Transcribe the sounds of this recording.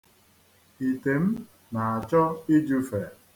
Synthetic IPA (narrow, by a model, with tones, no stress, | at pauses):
i˨te˨m̩˦ | na˨a˨t͡ʃɔ˦i˦d͡ʒu˦fe˨